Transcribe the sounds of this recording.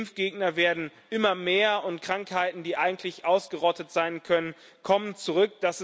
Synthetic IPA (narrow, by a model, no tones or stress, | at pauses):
mfɡ̥eːɡnɐveːɐdn̩ʔɪmɐmeːɐʊntkʁ̥aŋkhaɪtn̩diːʔaɪɡŋ̩tʰlɪçʔaʊsɡ̥əʁɔtətz̥aɪnkʰœnən | kʰɔmənt͡suʁʏk̚d̥as